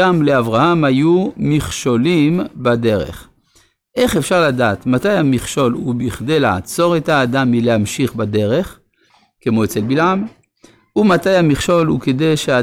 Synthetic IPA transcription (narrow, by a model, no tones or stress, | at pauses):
amleavʁahamhajumiχʃo̞limbade̞ʁḛχ | ʔe̞χefʃaʁladaːt̪matajamiχʃo̞lubiχdejla̰ʕat͡so̞ʁethaːd̪amːileamʃiχbad̪e̞ʁe̞χ | kemo̞et͡selbilʕam | umatajamiχʃo̞lṵkedejʃea